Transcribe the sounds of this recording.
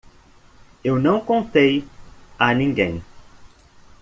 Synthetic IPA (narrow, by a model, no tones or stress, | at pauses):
ewnɐ̃w̃kõnt̪ejanĩŋɡẽj̃